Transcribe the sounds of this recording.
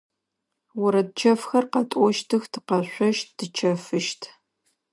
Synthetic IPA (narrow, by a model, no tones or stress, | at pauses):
wʊɾɐd̚t͡ʃʰɐfxɐrqɐtʼɔʃtʰɨxtʰɨqɐɕʷɔʃtd̥ɨt͡ʃʰɐfɨʃtʰ